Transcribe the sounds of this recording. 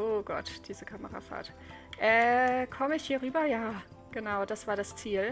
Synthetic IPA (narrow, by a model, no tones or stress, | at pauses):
ʔoɡ̥ɔ̰td̥iːzəkʰaməʁa̰fa̰ːt | ʔɛːkʰɔməɪçhiːɐʁyːbɐjaː | ɡ̥ənaʊd̥asv̥aːɐɾast͡siːl